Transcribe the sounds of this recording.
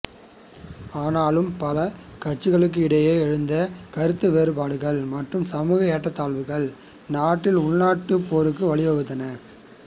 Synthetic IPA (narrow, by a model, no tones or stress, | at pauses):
aːnaːlɯmpɐlɐ | kɐʈ̚t͡ʃːɯɣɐɭɯk̬ːɯɪɽɐjeːɛɻɯnd̪ɐkɐɾɯt̪ːɯʋeːɾɯpaːɽɯɣɐɭmɐʈrɯmsɐmuːɣɐeːʈːɐt̪ːaːɭʋɯɣɐɭ | naːʈːɪlʊɭnaːʈːɯpːoːɾɯkːɯʋɐɭɪʋɐɣɯt̪ːɐnɐ